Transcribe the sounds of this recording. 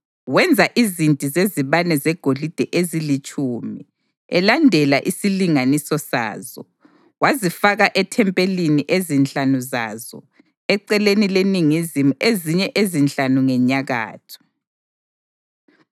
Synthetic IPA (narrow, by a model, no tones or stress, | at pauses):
wɛnd͡zʱaʔizintʼizeziβanɛzɛɡ̥ʱolid̥ʱɛʔezilit͡ʃʼuːmi | ɛ̰landʱɛlaʔisiliŋanisɔsa̰ːzɔ̰ | wazifaɣaʔɛtʰɛmpʼeliniʔezint͡ɬʼanuza̰zɔ̰ | ɛǀɛlenileniŋizimuʔeziɲɛʔezint͡ɬʼanuŋɛɲaɣa̰ːtʰu̥